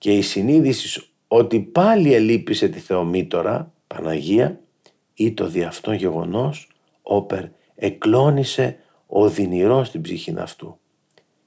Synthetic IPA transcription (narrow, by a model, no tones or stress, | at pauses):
ce̞isiniðisi̥s | o̞t̪ipɐlie̞lipise̞t̪iθe̞o̞mit̪o̞ɾɐ̰ | pɐnɐʝiɐ | it̪o̞ðiɐft̪o̞nʝe̞ɣo̞̰no̞s | o̞pe̞ɾ | eklo̞nise̞ | o̞ðiniɾo̞st̪ibziçinɐ̰ft̪u